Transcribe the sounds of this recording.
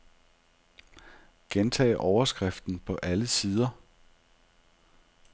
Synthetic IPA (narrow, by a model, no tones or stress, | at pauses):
ɡ̥ent͡sʰɛ̰ːʔɒʊɐsɡ̥ʁɛfd̥n̩pʰɒ̽ʔæləsiːð̞ˠɐ